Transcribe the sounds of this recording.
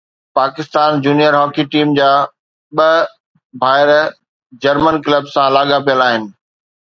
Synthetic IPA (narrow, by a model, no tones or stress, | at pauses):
paːkɪst̪aːnd͡ʑuːnijəɾɦɔːkiʈiːmd͡ʑaː | ɓɐ | bʱaːɪɾ | d͡ʑɐɾmənkləbsãlaːɠapijəlaːɦɪnɪ̆